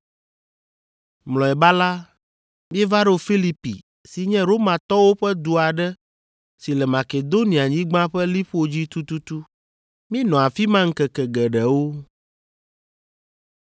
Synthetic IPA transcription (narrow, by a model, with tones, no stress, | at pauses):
mlɔ̃˨ɛ˨ba˦la˦ | mĩ˦ɛ˦va˦ɖo˦o˨fi˦li˦pḭ˨ | si˨ɲɛ̃˦ɾo˦mã˨t̪ɔ˦wo˦ɸɛ˦d̪u˨a˨ɖɛ˦ | si˨lɛ˨mã˨ke˨d̪o˦nĩ˨a˨ɲĩ˦ɡ͡bã˦ɸɛ˦li˦ɸo˦d͡ʑi˦t̪u˦t̪u˦t̪u˦ | mĩ˦nɔ̃˨a˨fi˦mã˦ŋ̩˦kɛ˨kɛ˨ɡɛ˨ɖɛ˨wo˦